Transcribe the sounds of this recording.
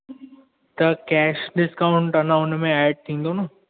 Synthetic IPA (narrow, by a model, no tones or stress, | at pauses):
t̪ɐkɛːʃɖɪskaːʊ̃ɳʈɐnãʊnmẽɛːɖ̚t̪ʰĩːn̆d̪ono